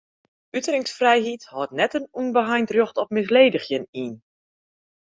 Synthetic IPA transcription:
ytəɾɪŋsfrɛjɦithɔtnɛtənunbəɦajntrjoxtɔpmɪs̬leːdəxjəniːn

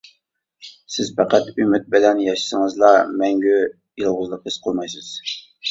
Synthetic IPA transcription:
sɪzpæqæt̪ymɪt̪̚bɪlɛnjɑʃɨ̥səŋɨzlˠɑmɛŋɡʲy | jɨlˠʁʊzlˠəqəz̥qʰolˠmɑjsɨz̥

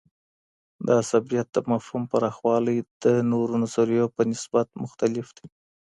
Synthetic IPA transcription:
d̪əasabijat̪̚d̪əmafhumpaɾɑxwɑləjd̪̥ənoɾunazoɾijopənɪsbat̪mʊxt̪alɪfd̪i

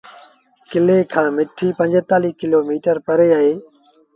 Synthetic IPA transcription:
kɪleːkʰãːmɪʈʰiːpə̃ɲd͡ʒət̪aːliːkɪloːmiːʈəɾpəɾeːaːɦeː

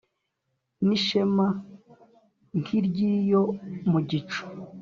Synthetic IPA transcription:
niʃema | ŋkʰiɾɟijomuɟit͡ʃu̥

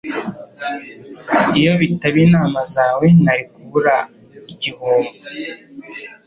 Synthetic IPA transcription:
ijo̞βitaβiːnaːmazaːwe̞naɾikuβuɾa | iɟihuːmbu

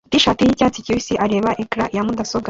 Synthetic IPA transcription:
t̪iʃaːt̪ijicaːt͡siciwisiʔaɾeːβaʔekɾaʔjamud̪asoɡa

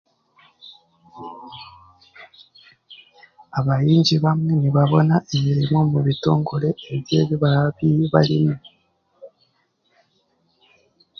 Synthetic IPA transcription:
aβajiːɲɟiβamŋwe̞niβaβo̞naʔemiɾimo̞muβito̞ːŋɡole̞ːβje̞ːβiβaɾaβiβalimo

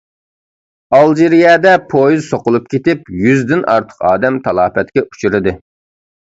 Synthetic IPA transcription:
ɑlˠd͡ʒiɾijɛːd̪ɛpʰojizsoqʊlˠup̚kʲʰet̪ɪpjyzd̪ɪnʔɑ̰ɾt̪ʰə̥qɑ̰ːd̪ɛmt̪ʰɑlˠɑːpɛt̪̚kʲɛu̥t͡ʃʰuɾɨd̪ɨ

